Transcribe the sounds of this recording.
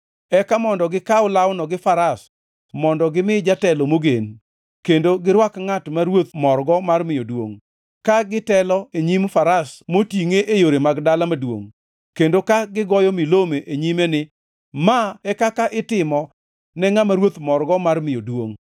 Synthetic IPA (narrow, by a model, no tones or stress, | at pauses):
ɛkamɔndɔɡɪkaʊlawnɔɡɪfaɾas | mɔndɔɡɪmɪd͡ʒatɛlomoɡen | kendoɡɪɾwakŋatmaɾwot̪mɔrɡɔmarmɪjodwo̰ŋ | kaɡɪtɛlɔeɲimfaɾasmotiŋeʔejoɾemaɡdalamadwo̰ŋ | kendokaɡɪɡɔjɔmɪlomeʔeɲimɛnɪ | maɛkakaʔɪtɪmɔ | nɛŋamaɾwot̪mɔrɡɔmarmɪjodwoŋ